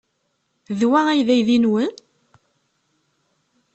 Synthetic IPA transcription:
ðwææjðæjðinwən

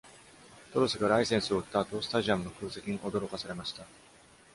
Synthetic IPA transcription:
t̪o̞ɾosɨɡaɾaisẽ̞ɰ̃sɨo̞ɯ̟t̪ːaːt̪o̞ːsɨ̥t̪aʑiamɯ̟no̞kɯ̟ːse̞kʲiɲ̟iʔo̞d̪o̞ɾo̞kasaɾe̞maɕi̥t̪a

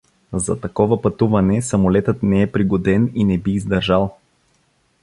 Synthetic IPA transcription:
zɐ̰t̪ɐkɔvəpɐt̪uvɐnɛsɐmolɛt̪ət̪nɛɛpɾiɡod̪ɛninɛbiːzd̪ɐɾʒalˠ

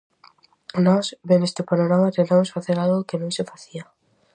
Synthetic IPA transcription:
nɔsβemest̪ɪpanoɾamat̪ent̪amosfaθeɾalɣʊkenũŋsɪfaθia

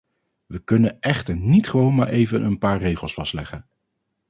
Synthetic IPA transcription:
ʋəkɵnənɛχtəɹnitχəʋownmaːɹʔejvənʔənpaːɹrejχəlˠsfɑstlɛχən

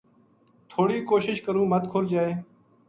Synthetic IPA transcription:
t̪ʰoːɽiːkoːʃɪʃkəɾũːmət̪kʰoːld͡ʒaːeː

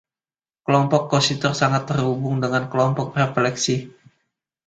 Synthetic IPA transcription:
kəlɔmpɔkːosit̪ʊrsaŋat̪ːərɦubʊŋdəŋankəlɔmpɔk̚reflɛksi

